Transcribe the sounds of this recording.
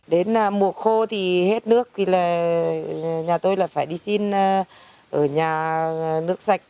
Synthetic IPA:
ɗe˨˦naː˨˩mu˨˩ək̚xo˧t̪ʰi˨˩he˦˥t̚nɨ˦˥ək̚ki˧laː˨˩ | ɲaː˨˩t̪o˧jlaː˨˩faː˧˩jɗi˧si˧nː˧ | ʔəː˧˩ɲaː˨˩nɨ˦˥ək̚sa˨˩jk̟̚

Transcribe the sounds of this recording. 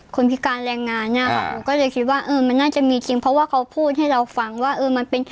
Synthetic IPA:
kʰo˧npʰi˦˥kaː˧nɾɛː˧ŋːaː˧nːa˥˩ɐ˨kʰa̰˦˥˩o˧˦kɔː˥˩lɤː˧jkʰi˦˥t̪̚waː˥˩ʔɤː˧ma˧nːaː˥˩t͡ɕa˨˩ʔmiː˧t͡ɕi˧ŋpʰɾɔ˧˦˥waː˥˩kʰa˦˥wpʰuː˥˩t̪̚ha˥˩jɾa˧wfa˧ŋwaː˥˩ʔɤː˧ma˧npe˧n

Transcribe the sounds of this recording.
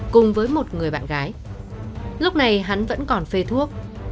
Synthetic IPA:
kʊ˨˩ŋ͡mvəː˨˦jmo˨˩t̚ŋɨ˨˩əjɓa̰ː˧˨nɣaː˨˦j | lʊ˦˥k͡p̚na˨˩jɦa˨˦nvə̰˧˥nkɔ˨˩nfe˧t̪ʰu˦˥ək̚

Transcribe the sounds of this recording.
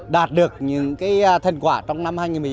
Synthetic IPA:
ɗaː˨˩t̚ɗɨ˨˩ək̚ɲɨ̰˧˥ŋkaː˨˦jt̪ʰə˨˩nkwaː˧˩t͡ɕɔ˧wŋ͡mna˧mhaː˧jɲŋi˨˩nmɨ˨˩˨

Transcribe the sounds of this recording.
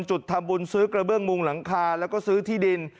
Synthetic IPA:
nt͡ɕu˨˩t̪ʰːa˧mbu˧nsɯː˦˥kɾa˧bɯ˥˩əŋmu˧ŋla˩˦ŋkʰaː˧lɛː˦˥wkɔː˥˩sɯː˦˥t̪ʰiː˥˩di˧n

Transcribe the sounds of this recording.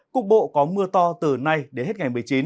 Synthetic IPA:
kʊ˨˩k̚ɓo̰˧˨kɔ˨˦mɨ˧ət̪ɔ˧t̪ɨ˨˩na˧jɗe˨˩nhe˦˥t̚ŋa˨˩jmɨ˨˩əjt͡ɕi˨˦n

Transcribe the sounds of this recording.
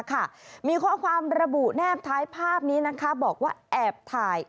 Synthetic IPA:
kʰa˥˩miː˧kʰɔː˥˩kʰwaː˧mɾa˧bu˨˩ʔnɛː˥˩p̚t̪ʰaː˦˥jpʰaː˥˩p̚niː˦˥na˦˥kʰa˦˥bɔː˨˩k̚waː˥˩ʔɛː˨˩p̚t̪ʰaː˧j

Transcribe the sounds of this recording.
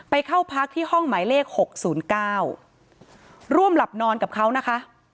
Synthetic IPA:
pa˧jkʰa˥˩wpʰa˦˥k̚t̪ʰiː˥˩hɔ˥˩ŋmaː˩˦jleː˥˩k̚ho˨˩k̚suː˩˦nkaː˥˩w | ɾu˥˩əmla˨˩p̚nɔː˧nka˨˩p̚kʰa˦˥wna˦˥kʰa˦˥ʔ

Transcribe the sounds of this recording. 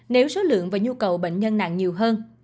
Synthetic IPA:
ne˨˦wso˨˦lɨ̰˧˨əŋvaː˨˩ɲu˧kə˨˩wɓḛ˧˨ŋ̟ɲə˧nːa̰˧˨ŋɲi˨˩əwɦəː˧n

